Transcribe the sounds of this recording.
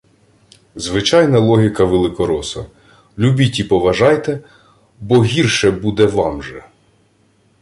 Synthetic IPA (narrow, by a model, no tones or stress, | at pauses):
zʋɪt͡ʃɑjnɐlˠɔɦʲikɐʋelˠɪkɔɾɔsɐ̰ | lʲubʲitʲipɔʋɐʒɑjt̪ɛ | bɔɦʲirʃɛbud̪ɛʋɑmʒɛ